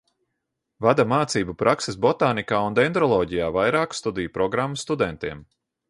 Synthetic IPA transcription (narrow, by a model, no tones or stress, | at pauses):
vad̪amaːt̪siːbupɾʔaksesbɔt̪aːnikaːund̪ɛnd̪ɾɔlˠɔːɟijaːvajɾaːkst̪ud̪ijpɾɔɡɾamːust̪ud̪ɛnt̪iɛm